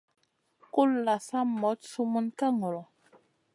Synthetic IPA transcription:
ku˦lla˨sa˦mɔ˨˦tsu˦mu˦nka˦ŋɔ˨lɔ˨

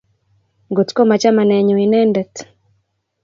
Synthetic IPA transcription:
ŋɡo˨tko˦ma˨t͡ʃa˦ma˨nɛ˨ɲu˨wi˨nɛː˦ndɛ˨t

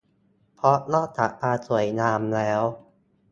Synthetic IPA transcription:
pʰɾɔ˦˥nɔː˥˩t̪a̰˨˩paː˧su˨˩˦əjnaː˧mlɛː˦˥w

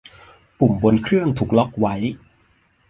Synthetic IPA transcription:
pu˨˩mbo˧nkʰɾɯ˥˩əŋt̪ʰuː˨˩k̚lɔ˦˥k̚wa˦˥j

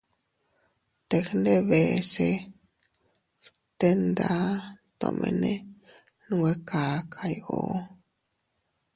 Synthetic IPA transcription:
t̪e˧xnd̪e˦βe˨se˧ | t̪e˦nd̪a˦t̪o̰˨mʔḛ˧˨ne˦ | nwe˦ka˨kʰa˧jo˨

